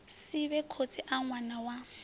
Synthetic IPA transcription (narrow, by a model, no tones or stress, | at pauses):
sɪbɛkʰot͡sʰʼiʔaŋwanawa